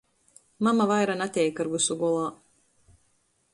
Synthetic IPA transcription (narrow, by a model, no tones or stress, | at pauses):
mamavajɾanat̪ʲɛːjkɨɾɡusuɡɔlˠaː